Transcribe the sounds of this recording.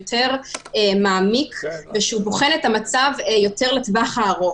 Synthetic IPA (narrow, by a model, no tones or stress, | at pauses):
tʰe̞ʁmaːmikʰveʃeuboχe̞netamat͡savjo̞te̞ʁle̞tvaχaːʁo